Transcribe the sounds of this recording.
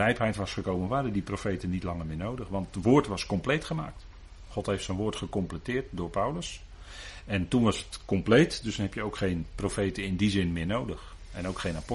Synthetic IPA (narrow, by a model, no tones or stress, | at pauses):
ɛjpɦɛjtʋɑsχəkowmənʋaːdədiprofejtənitlɑŋəɹmɪːnowdəχʋɑntətʋoːɹtʋɑskɔmplejtχəmaːk̚t | χɔtɦejftsɛnʋʊːɹtχəkɔmplətɪːt̚dʊːɹpawləs | ɛntunʋɑsətkɔmplejtdɵsdɔnɦɛpjəowkχejnprofejtəɪndizɪnmɪːɹnowdəx | ɛnowkχejnap